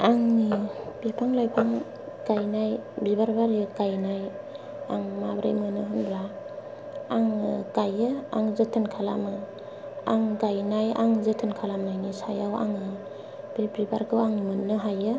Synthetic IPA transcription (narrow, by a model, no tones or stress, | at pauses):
aŋnibipʰaŋlajpʰaŋ | ɡ̥ajnajbibaɾbaɾɯɡajnaj | a̰ŋmabɾa̰jmɯnɯɦɯnbɾa | aŋɡ̥ajɯa̰ŋzɯtʰɯnkʰalamɯ | a̰ŋɡajnaja̰ŋzɯtʰɯnkʰalamajnisajawa̰ŋɯ | b̥ibɾibaɾɡɯwaŋimɯnːɯɦajɯ